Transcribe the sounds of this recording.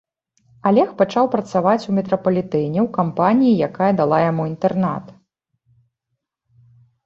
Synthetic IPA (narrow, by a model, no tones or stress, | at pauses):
alʲɛxpat͡ʂawpɾɐt̪savat͡sʲumʲɛt̪ɾɐpɐlʲit̪ɛnʲɛwkampanʲijijakajɐd̪alˠajamuint̪ɛrna̰t̪